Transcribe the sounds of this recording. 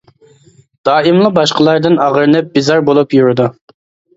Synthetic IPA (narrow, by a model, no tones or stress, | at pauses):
d̪̥ɑːɪmlˠəbɑʃqəlˠɑɾd̪ɨnɑʁəɾnɛp̚bizɑɾbolˠupjuɾɪd̪u